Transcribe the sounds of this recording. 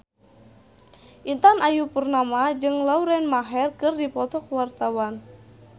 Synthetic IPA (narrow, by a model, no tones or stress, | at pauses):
ʔint̪anʔajupərnamad͡ʒɨŋlauɾɛnmaɦɛrkɨrdipɔt̪ɔk̚wart̪awan